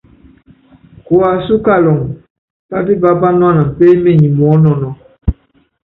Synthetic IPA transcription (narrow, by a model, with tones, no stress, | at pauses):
ko˨a˨su˦ka˦lɔ˨ŋ | pa˦di˦ba˦ba˦nwa˦na˨m̩˨pe˦me˦˨ɲĩ˨mɔ˨˦nɔ˨nɔ˨˦